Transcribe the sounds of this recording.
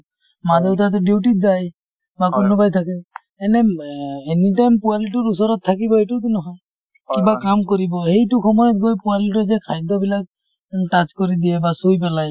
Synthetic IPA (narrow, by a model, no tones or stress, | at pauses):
mazɔwtat̪̬ɔdiwʈizaj | bakunɔbajt̪ʰakɛ | ɛnɛenitajmpualit̬ɔɾusɔɾɔt̪ʰːakibɔetut̬unɔɦɔj | kibakamkɔɾibɔhejtukʰɔmɔjɔt̚ɡojpualitɔzɛkʰajd̪ɔbilak̚ | tat͡ʃkɔɾid̪iɛbasujp̬ɛlaj